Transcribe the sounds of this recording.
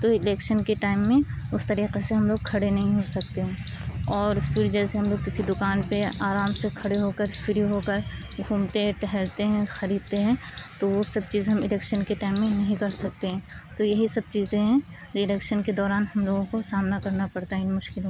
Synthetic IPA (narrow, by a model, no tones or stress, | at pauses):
t̪oɪlɛːkʃənkeʈaːɪmːẽʊst̪ɐɾiːqeseɦɐmloːɡ̚kʰɐɽenɐɦĩɦosɐk̚t̪eɦɛ̃ːɔːɾfɪɾd͡ʒɛːseɦɐmloːɡ̚kɪsid̪ʊkaːnpeaːɾaːmsekʰɐɽeɦokəɾfɪɾiɦokəɾɡʱuːmt̪eʈɛɦɛɾt̪eɦɛ̃xɐɾiːd̪̚t̪eɦɛ̃t̪oʋosɐb̚t͡ʃiːzɦɐmɪlɛːkʃənkeʈaːɪmːẽnɐɦĩkɐɾsɐk̚t̪eɦɛ̃ːt̪ojɐɦisɐb̚t͡ʃiːzẽɦɛ̃ | ɾiɪlɛːkʃənked̪ɔːɾaːnɦɐmloːɡõkosaːmnakɐɾnapɐɽt̪aɦɛɪnmʊʃkɪlɦõ